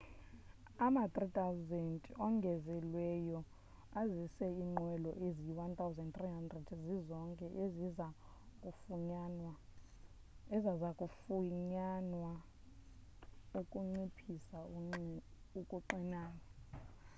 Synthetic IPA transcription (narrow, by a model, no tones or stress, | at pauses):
amat̪ʼrit̪ʰʼawzɛntʼɔŋɡʱɛzɛlwɛjɔ | azisɛiŋ͡ǃʱwɛlɔ̰ʔeziwant̪ʰʼawzɛndt̪riɦandrɛdzizɔŋkʼɛʔeziza | kʼufuɲanwa | ɛzazakʼufuɲanwa | okʼuŋ͡ǀipʰisa | ukʼuǃinaːna